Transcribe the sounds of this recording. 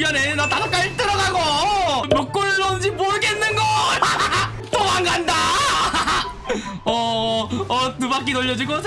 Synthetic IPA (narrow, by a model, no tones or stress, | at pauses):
ɡjʌnenatasak͈aɾt͈ɯɾʌɡaɡʌmok̚k͈oɾɯʌɯnd͡ʑimoɯɡenːɯnɡʌ | t͈oaŋɡanda | ʌʌtubak͈inʌʎːʌd͡ʑiɡosʰ